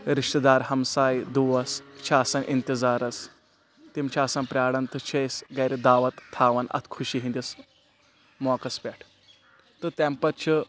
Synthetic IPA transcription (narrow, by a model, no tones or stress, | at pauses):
ɾiʂʈd̪aːɾhɐmsaːjd̪uʋɐst͡ʃʰaːsɐnʔint̪izaːɾɐs | t̪imt͡ʃʰaːsanpɾʲaːɽɐnt̪ət͡ʃʰejsɡɐjɾid̪aːʋɐt̪ʰːaːʋɐnɐ̰t̪ʰkʰuɕiːɦĩnd̪ʲis | mɔːkɐspʲɛʈʰ | t̪ɨt̪ɛmpɐt̪̚t͡ʃʰə